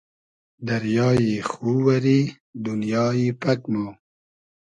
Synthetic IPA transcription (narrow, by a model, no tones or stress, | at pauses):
d̪ɐɾjɑːjixuːwɐɾi | d̪unjɑːjipɐkmo